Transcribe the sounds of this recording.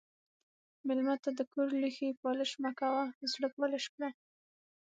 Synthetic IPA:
mɪlmat̪ad̪əkoɾlixipɑləʃmakawazɽəkwaleʃkɽa

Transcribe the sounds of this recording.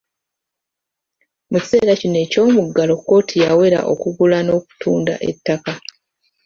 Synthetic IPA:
muci̥se̞ːɾacine̞ːco̞ːmuɡːalo̞kːo̞ːtʰijawe̞ɾa̰ʔo̞̰kuɡulano̞ːk̚u̥tʰuːnda̰ʔḛtːaka

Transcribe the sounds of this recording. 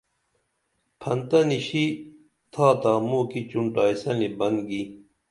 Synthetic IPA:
pʰɐnt̪ɐniɕi | t̪ʰaːt̪aːmuːkit͡ɕuɳʈaːjsɐnibɐnɡi

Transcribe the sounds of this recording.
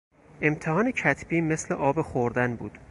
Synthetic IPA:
e̞mt̪ʰehɒːnecʰæt̪ʰb̥iːme̞slḛʔɒːbexoɾd̪ænbuːd̪̥

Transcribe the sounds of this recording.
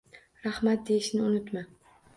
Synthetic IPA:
ɾahmat̪̚d̪e̞jɪʃnɪʊnɪt̪ma

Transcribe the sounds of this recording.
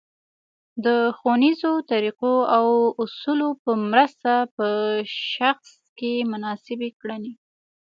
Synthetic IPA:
d̪əxonizot̪aɾiqoawʊsulopəmɾəst̪apəʃaxs | kemʊnɑsɪbekɽane

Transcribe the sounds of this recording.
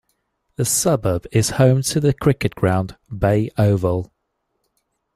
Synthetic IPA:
ðəsʌbəb̥ɪz̥hə̃ʊ̃mtʰəðəkʰɹ̥ɪkɪʔɡ̥ɹãʊ̃nbeɪʔəʊvəlˠ

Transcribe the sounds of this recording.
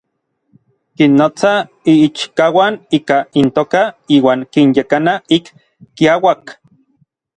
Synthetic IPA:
kinːot͡sa | iit͡ʃkawaniːkaint̪oːkaiːwaːŋkinjekanaikː | iawak

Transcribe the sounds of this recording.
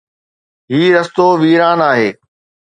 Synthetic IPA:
ɦiːɾɐst̪oːʋiːɾaːnaːɦeː

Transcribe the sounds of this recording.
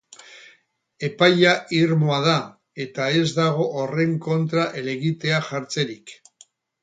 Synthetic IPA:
e̞pajaʔiɾmoað̞a | e̞t̪ae̞zd̪aɣ̞o̞ʔːre̞ŋko̞nt̪ɾaʔele̞ɣit̪e̞aʝaɾt͡seɾik

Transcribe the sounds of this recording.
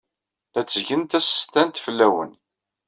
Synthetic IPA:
θæt͡sːəʝənt̪æsə̥t̪ænt̪fəlːæwə̰n

